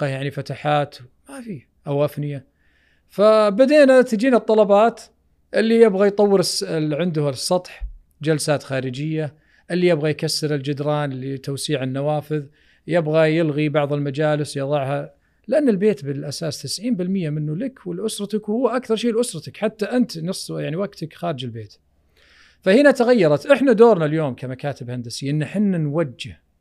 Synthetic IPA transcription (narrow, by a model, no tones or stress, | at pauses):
qɑjaʕnifat̪aħaːt̪ | mafiː | ʔawʔafnɪja | fabad̪eːnat̪ɪd͡ʒiːnɨt̪ˤːɑlɑbɑːt̪ | ʔɪlːijɪbɣajt̪ˤɑwːɪɾsʕɪnd̪ʊhasˤːɑt̪ˤħ | d͡ʒalsaːt̪xaːɾɪd͡ʒɪjːa | ʔɪlːijɪbɣajkasːɪɾɪld͡ʒʊd̪ɾˤɑːnlit̪awsiːʕɪnːawaːfɪð | jɪbɣajɪlɣibɑʕðˤɪlmad͡ʒaːlɪsjɑðˤɑʕha | lɪʔanːɪlbeːt̪bɪlʔasaːst̪ɪsʕiːmbɪlmɪjːamɪnːulakwɪlʔʊsɾˤɑt̪akhʊwːʔakθɑɾˤʃiːlʔʊsɾˤɑt̪akħat̪ːaʔɪnt̪nɨsˤːjaʕniwaɡt̪akxaːɾɪd͡ʒɪlbeːt̪ | fahɪnat̪aɣajːɑɾˤɑt̪ʔɪħnad̪oːɾnaljoːmkʰamakaːt̪ɪbhand̪asɪːʔɪnːaħɪnːanwad͡ʒːɪh